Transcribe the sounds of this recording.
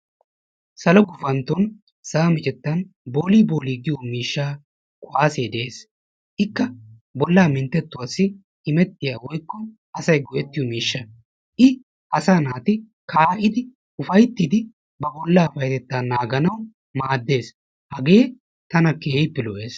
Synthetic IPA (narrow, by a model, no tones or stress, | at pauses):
sɐlɔɡʊfɐnt̪ːɔn | sɐɐmɪt͡ʃʼɛt̪ːɐnboːliːboːliːɡɪjɔmiːʃːaː | kʼʊʔaːseːd̪ɛʔeːs | ʔɪkːɐ | bɔlːaːmɪnt̪ːɛt̪ːʊwɐsːɪ | ɪmɛt̪ːɪjaːwɔjkːɔ | ɐsɐjɡɔʔɛt̪ːɪjɔmiːʃːɐ | ʔɪ | ʔɐsaːnaːt̪ɪ | kʰaːʔɪd̪ɪ | ʊfɐjt̪ːiːd̪ɪ | bɐbɔlːaːfɐjt̪ɛt̪ːaːnːaːɡɐnɐw | maːd̪ːe̞ːs | hɐɡe̞ː | t̪ɐnɐkeːɪpːɪlɔʔe̞ːs